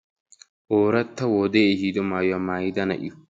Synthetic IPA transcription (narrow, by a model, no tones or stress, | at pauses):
ʔoːɾɐt̪ːɐwoːd̪eːhiːd̪ɔmaːjɐmaːjɪd̪ɐnɐ̰ʔɪ̰